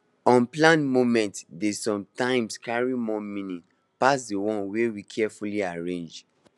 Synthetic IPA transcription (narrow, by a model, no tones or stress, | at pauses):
ɔ̃nplãnmomɛ̃ntdesɔ̃mtãɪ̃mskaɹimɔmĩnĩn | pas̬dewɔ̃nwewikʰɛfuliaɹẽnd͡ʒ